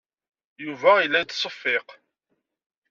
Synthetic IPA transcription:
juvæilːæjt̪ːsˤəfːɪq

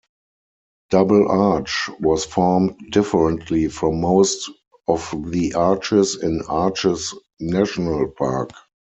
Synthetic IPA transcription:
d̥abl̩ʔat͡ʃwɔsfɔɹmtdɪfəɹə̃ntʰlifɹɔ̃mːoʊst | ɔfðiʔaːt͡ʃɪsɪ̃nat͡ʃɪs | næʃnəlpʰa̰ːk

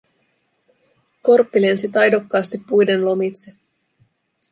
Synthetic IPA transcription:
ko̞rpːilensit̪ɑjdokːɑːst̪ipːujde̞nlo̞mit̪se

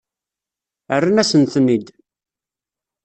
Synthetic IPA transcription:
ərːanæsənθənid̪

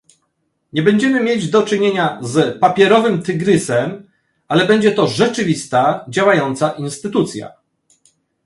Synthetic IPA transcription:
ɲɛbɛɲd͡ʑɛmɘmʲjed͡ʑd̪ɔt͡ʂɘɲeɲazpapʲjɛɾɔvɘmt̪ɘɡɾɘsɛm | alɛbɛɲd͡ʑɛt̪ɔʐɛt͡ʂɘvʲist̪ad͡ʑawajɔnt̪saʔinst̪ɘt̪ut̪sʲja̰

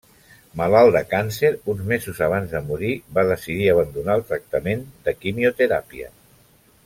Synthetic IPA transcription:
malalˠd̪əkanseɾunzmezuzaβ̞anzðəmuɾibað̞əsiðiəβ̞ənd̪unaəlˠt̪ɾək̚t̪əmend̪əkimiut̪əɾa̰piə̰

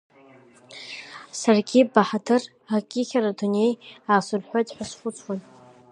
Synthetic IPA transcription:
sarɡʲibaħadʰɨr | akʲʼɪχʲaradune̞jasʊlħʷᶣatʼħʷᶣasχʷʊt͡sʼʰwan

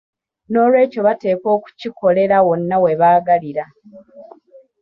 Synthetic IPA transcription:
no̞ːlwe̞ːco̞βate̞ːko̞ːku̥ciko̞le̞ɾawo̞nːawe̞βaːɡaliɾa

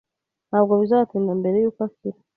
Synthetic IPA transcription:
naβɡaβizaatundambeɾejukafiɾa

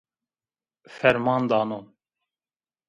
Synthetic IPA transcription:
fɛɾmɑːnd̪ɑːnon

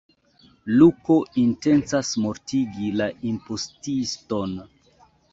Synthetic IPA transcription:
luko̞ʔinte̞nt͡sasmo̞ɾtiɡilaʔimpostisto̞n

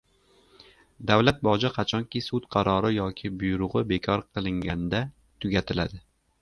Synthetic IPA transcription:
d̪awlat̪̚bɒd͡ʒɪqʰɑt͡ʃʰɒŋkʲɪsʊt̪qʰɑɾɒɾɪjɒkʲʰɪbʊjɾʊʁɨbe̞kʲʰɒɾqʰɨlˠɪŋɡʲand̪a | t̪ʰʊɡʲat̪ʰɪlad̪ɪ

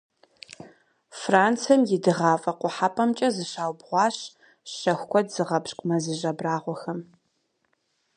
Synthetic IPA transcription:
fraːnt͡sʰɐmjɪdɨʁɑːfʼɐqʷʼʊħapʰʼɐmt͡ʃʼɐzɨɕaːwbʁʷɑːɕ | ɕɐxʷkʷʰʼɔdz̥ɨʁɐpɕʼkʷʼmɐzɨʒɐbraːʁʷɔxɐm

